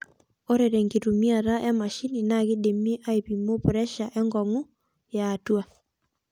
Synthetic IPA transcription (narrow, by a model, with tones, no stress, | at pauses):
ɔ˦ɾɛ˨ɾɛ˨ŋɡe˨ɾu˨mi˦a˨ɾa˦ʔɛ˦ma˨ʃi˦ni˨naɣe˦de˨me˦ʔa˦e˨βi˨mo˦βuɾɛ˦ʃa˨ʔɛ˦ŋɡɔ˨ŋu˦ | jaː˨twa˦˨